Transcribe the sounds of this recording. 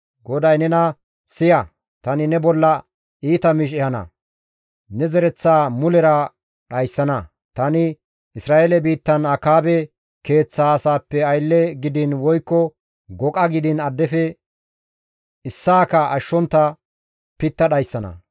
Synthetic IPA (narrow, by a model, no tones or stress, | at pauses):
ɡɔd̪ɐjnɛnɐ | sɪjɐ | t̪ɐnɪnɛbɔlːɐ | iːt̪ɐmɪʃ̬ɛhɐnɐ̰ | nɛzɛɾɛt͡sːaːmʊlɛɾɐ | ɗɐjsːɐnɐ | t̪ɐnɪ | ɪsɾaːʔelɛbiːt̪ːɐnɐkaːbɛ | ke̞ːt͡sːaːsaːpːɛɐjlːɛɡɪd̪ɪnwɔjkːɔ | ɡɔkʼɐɡɪd̪ɪnɐd̪ːɛfɛ | ɪsːaːkɐʔɐʃːɔnt̪ːɐ | pɪt̪ːɐɗɐjsːɐnɐ̰